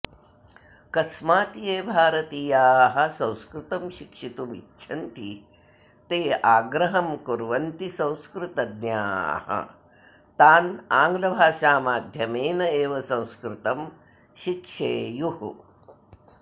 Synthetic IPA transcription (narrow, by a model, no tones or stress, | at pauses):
kɐsmaːt̪ijeːbʱaːɾɐt̪iːjaːɦɐ̆sɐ̃w̃skɾut̪ɐmʃikʂit̪umḭtːʃʰɐnt̪i | t̪eːʔaːɡɾɐɦɐmkuɾʋɐnt̪isɐ̃w̃skɾut̪ɐd̪nja̰ːhɐ̰ | t̪aːnaːŋɡlɐbʱaːʂaːmaːd̪ʱjɐmeːnɐeːʋɐsɐ̃w̃skɾut̪ɐm | ʃikʂeːjuh